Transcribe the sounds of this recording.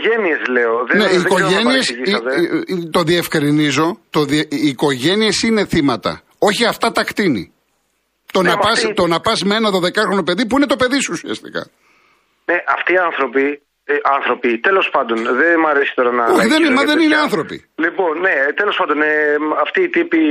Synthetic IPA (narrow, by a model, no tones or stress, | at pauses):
ʝeniezle̞oðneiːkoʝeniesiist̪et̪o̞ðie̞fkɾinizo̞t̪oðieiːko̞ʝe̞niesine̞θimɐt̪ɐ̰ | o̞çiɐft̪ɐt̪ɐkt̪inḭ | t̪onɐpɐst̪o̞nɐpɐzmeenɐðo̞ðe̞kɐxɾo̞nope̞ðip̬uine̞t̪o̞pe̞ðisuusiɐ̰st̪i̥̰kɐ̰ | neʔɐft̪iːɐnθɾo̞pi | ɐnθɾo̞pit̪elo̞spɐnd̪o̞nðemɐɾesi̥t̪o̞ɾɐnɐoçiðenmɐðenineɐnθɾo̞pḭlipo̞nːet̪elo̞spɐnd̪oneɐft̪iːt̪ipi